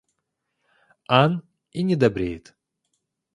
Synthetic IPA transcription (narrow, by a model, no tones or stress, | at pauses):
an | inʲɪd̪ɐbɾʲejɪt̪